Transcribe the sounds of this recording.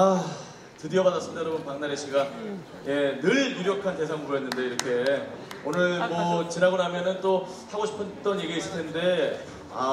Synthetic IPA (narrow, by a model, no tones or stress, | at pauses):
a | tɯdiʌbadas͈ɯmidajʌɾʌbʌnpaŋnaɾeɕʰiɡa | je̞nɯɭjuɾjʌkʰante̞sʰaŋuɾoɦenːɯnde̞iɾʌkʰe̞onɯɭmʌt͡ɕinaɡonɦamjʌnɯnt͈o | haɡoɕʰi̥pʰɯt͈ʌnje̞ɡieis͈ɯɭtʰe̞nde̞ | a